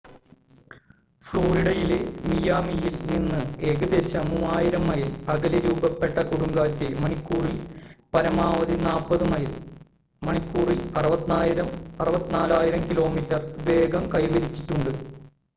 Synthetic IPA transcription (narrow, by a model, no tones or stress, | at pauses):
fɭo̞ːɾiɽɐjile̞mijaːmijilninːɨeːɣɐd̪e̞ɕɐmuːaːjiɾɐmːɐjilɐɣɐleɾuːbɐpːe̞ʈːɐkuɽuŋɡaːtːemɐɳikʲːuːrilpɐɾɐmaːʋɐðinaːlpɐðɨmɐjil | mɐɳikʲːuːrilɐrɨbɐjɐmɐrɨbɐt̪ːinaːlaːjiɾɐmkilo̞ːmitːɐrʋe̞ːɡɐmkɐjɡɐɾit͡ɕːi̥ʈːuɳɖɨ